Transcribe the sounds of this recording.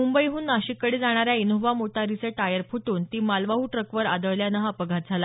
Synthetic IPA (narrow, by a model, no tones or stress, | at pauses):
mumbəjɦuːnːaɕikːəɽid͡zaɽ̃aɾjainuʋamoʈʰaɾisəʈajəɾpʰuʈuːnt̪iːmalʋaɦuːʈɾəkʋəɾa̰d̪əɭljanəɦapəɡʱat̪̚d͡zʱala